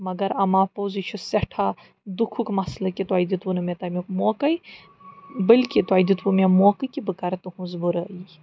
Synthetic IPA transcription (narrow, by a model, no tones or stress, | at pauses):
mɐɡɐɾɐmaːpoːzit͡ʃʰusɛʈʰa | d̪ukʰukmɐslɐkit̪uaːjd̪it̪ʋunɐmet̪ɐmʲokmoːkɐj | bəlʲkit̪uaːjd̪it̪wumemoːkɨkibɨkɐɾt̪uhũzbuɾɐi